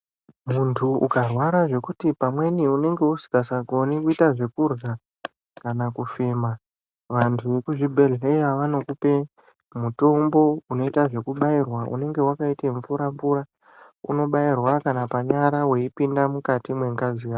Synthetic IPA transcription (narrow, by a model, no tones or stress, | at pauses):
muntʰuʔukarwaɾaʐe̞kutipamwe̞niune̞ŋɡe̞usi̥kasaɡo̞nikuitaʐe̞kurɡa | kanakufe̞ːma | ʋantʰuʋe̞kuʐibʱe̞ɮeɾe̞jaʋano̞kupe̞ | muto̞mbo̞uno̞itaʐe̞kuɓairwaʔṵne̞ŋɡe̞wakaiteɱfuɾamvuɾa | ṵno̞ɓairwakanapaɲaɾawe̞ipindamukatimwe̞ŋɡazija